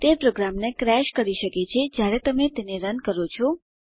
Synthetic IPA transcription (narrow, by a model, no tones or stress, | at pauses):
t̪epɾoɡɾamnekɾɛʃkəɾiʃəket͡ʃʰed͡ʒjaɾet̪əmet̪eneɾənkəɾot͡ʃʰɔ